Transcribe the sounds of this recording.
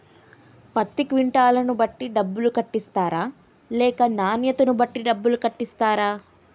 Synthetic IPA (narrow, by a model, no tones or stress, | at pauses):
pɐt̪ːikʋiɳʈaːlɐnubɐʈːiɖɐbːulukɐʈːist̪aːɾaː | lɛːkɐnaːnjɐt̪ɐnubɐʈːiɖɐbːulukɐʈːist̪aːɾaː